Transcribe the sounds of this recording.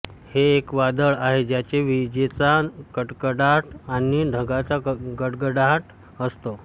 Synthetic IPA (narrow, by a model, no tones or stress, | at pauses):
heːkʋad̪əɭaɦed͡ʑjat͡ɕeʋid͡ʑet͡sakəʈkəɽaʈaniɖʱəɡat͡saɡəʈɡəɽaʈ | əst̪o